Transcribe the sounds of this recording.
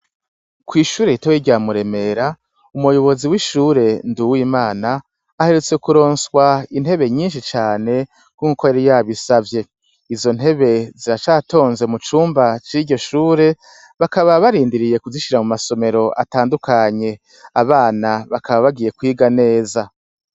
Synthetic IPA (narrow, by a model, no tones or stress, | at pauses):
kwiːʃuːɾe̞jitowiɟamuɾe̞me̞ɾa | umujo̞βo̞ziwiʃuːɾe̞nduwimaːnaː | he̞ɾet͡se̞kuɾo̞ːnswain̥he̞βe̞ɲiːnʃ̬it͡ʃaːne̞ | uuko̞jaɾijaβisavje̞ | izo̞n̥ɦe̞βe̞ziɾat͡ʃaːto̞ːnze̞mut͡ʃuːmbat͡ʃiɾɟo̞ʃuːɾe̞ | βakaβaβaɾiːndiɾije̞kuziʃiɾamumaso̞me̞ɾo̞ʔa̰taːndukaɲe̞ | aβaːnaβakʰaβaβaɡiːje̞kwiːɡane̞ːza